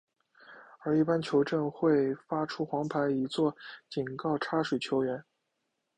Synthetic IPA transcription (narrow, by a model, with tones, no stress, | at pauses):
ə˞˧˥i˥˩pa˥nt͡ɕʰjo˧˥ʊʈ͡ʂə˥˧ŋxwe˥˩ɪfa˥ʈ͡ʂʰu˥xwɑ˧˥ŋpʰa˧˥ɪi˧˥t͡swɔ˥˩t͡ɕi˨˩nkɑ˥˩ʊʈ͡ʂʰa˥ʂwe˨˩ɪt͡ɕʰjo˧˥ʊɥɛ˧˥n